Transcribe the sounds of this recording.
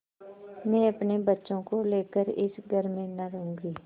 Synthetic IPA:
mɛ̃ːəpnebətːʃõkoleːkəɾɪsɡʱəɾmẽnaɾəɦʊ̃ːŋɡiː

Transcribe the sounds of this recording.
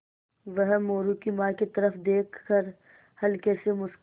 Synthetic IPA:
ʋəɦmoːɾukimaːkit̪ɐɾəfd̪eːkʰːəɾ | hɐlkesemʊʃ

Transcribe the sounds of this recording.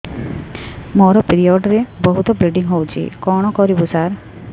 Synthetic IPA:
moɾɔpiɾiɔɖɾebɔɦut̪ɔbɾiɖiŋɦowt͡ʃʰḭkɔɽ̃ɔkɔɾibusaɾ

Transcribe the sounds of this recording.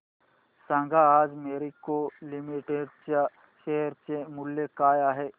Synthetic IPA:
sãːŋɡaaːd͡ʒmeːɾikolɪmiʈeɖt͡ʃa | ʃeɦɾt͡ʃemʊlːjekaːjaɦɛː

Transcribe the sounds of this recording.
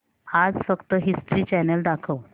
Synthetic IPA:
ad͡zfəkt̪əɦisʈɾiːt͡ɕɛnəld̪akʰəw

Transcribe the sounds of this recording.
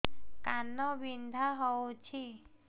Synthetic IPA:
kanːɔwind̪ʱaɦɔut͡ʃʰi

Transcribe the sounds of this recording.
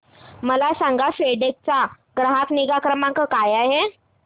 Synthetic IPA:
məlasãŋɡafeɖek̚t͡sa | ɡɾəɦakniɡakɾəmãŋkəkajaɦe

